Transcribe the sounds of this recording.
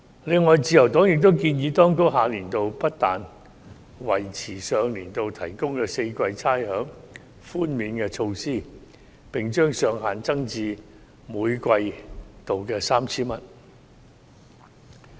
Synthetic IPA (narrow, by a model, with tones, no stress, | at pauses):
lɪ˨˧ŋːɔː˨jt͡siː˧jɐ˨˩wt̪ɔː˨˥ŋjɪ˨k̚t̪̬o˥wkiː˧njiː˨˧˥t̪ɔː˥ŋkʊ˥kɦaː˨˧liː˨˩nt̪o˨wpɐ˥t̚t̪aː˨n | wɐ˨˩jt͡sʰiː˨˩sœː˨˧ŋliː˨˩nt̪o˨wt̪ʰɐ˨˩jkʊ˥ŋkɛː˧se˧jkʷɐ˧jt͡sʰaː˥jhœː˨˥ŋ | fuː˥nmiː˨˧nkɛː˧t͡ʃʰo˧wsiː˥˩ | pɪ˨˩ŋt͡ʃœː˥ŋsœː˨˧ŋɦaː˨nt͡sɐ˥ŋt͡siː˧ | muː˨˧jkʷɐ˧jt̪o˨wkɛː˧saː˥mt͡sʰiː˥mɐ˨t̚